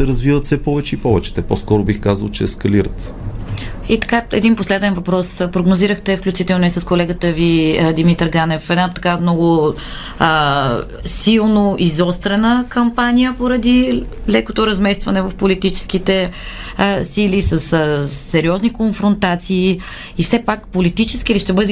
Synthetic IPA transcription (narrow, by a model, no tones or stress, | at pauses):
sɛɾəzvivət̪sɛpɔvɛt͡ʃɛipɔvɛt͡ʃɛ̥t̪ɛposkɔɾʊbixkazə̰lˠt͡ʃɛɛ̰skɐliɾə̰t̪ | it̪ɐ̥kaɛ̰d̪inposlɛd̪ɛnvɐpɾɔspɾoɡnoziɾəxt̪ɛfklʲut͡ʃit̪ɛlˠnoisəskolɛɡət̪əvid̪imit̪ɛɾɡanɛfɛd̪nat̪ɐkamnɔɡʊ | silˠnoʔizɔst̪ɾɛnəkɐmpanʲijəpoɾɐd̪ilɛkot̪oɾɐzmɛst̪vɐnɛvəfpolit̪it͡ʃɛ̥sk̟it̪ɛ | silisəsːɛɾiɔznikonfɾont̪at̪siː | ifsɛpakpolit̪it͡ʃɛskiːliʃt̪ɛbɤd̪ɛ